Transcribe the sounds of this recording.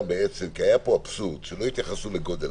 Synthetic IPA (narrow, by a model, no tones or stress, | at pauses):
beet͡semkiajapo̞apsut̪ʃelo̞it̪jaχasuleɡo̞d̪el